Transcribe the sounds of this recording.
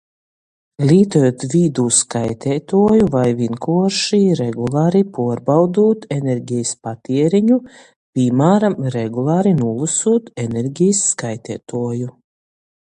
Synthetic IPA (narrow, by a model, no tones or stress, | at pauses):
lʲiːt̪ujot̪vʲiːd̪uːskajt̪ʲʰɛːt̪uɔjuvajvʲinkuɔɾʃiɾɛɡulˠaːɾipuɔɾbawd̪uːt̪ɛnɛɾɟijspat̪iɛɾiɲu | pʲimaːɾamɾɛɡulˠaːɾinulˠusuːt̪ɛnɛɾɟʲijsːkajt̪ʲɛːt̪uɔju